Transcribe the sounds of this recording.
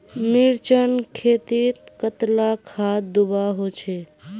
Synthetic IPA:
miɾt͡ʃənkʰet̪it̪kət̪lakʰad̪ubaɦot͡ʃʰɛ

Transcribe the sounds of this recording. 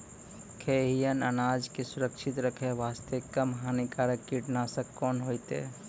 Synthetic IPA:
kʰeɦijənə̰naːd͡ʒkesʊɾəkʃʰit̪ɾəkʰeʋaːst̪ʰekəmɦaːnikaɾəiʈnaːsəkːɔːnɦoːjt̪ḛ

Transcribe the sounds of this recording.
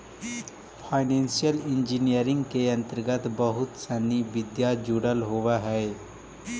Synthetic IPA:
fʰaɪnensijəlind͡ʒinijəɾiŋɡkeə̃nt̪əɾɡət̪bəɦut̪saniʋid̪jad͡ʒuɽəlɦoʋaɦɛe

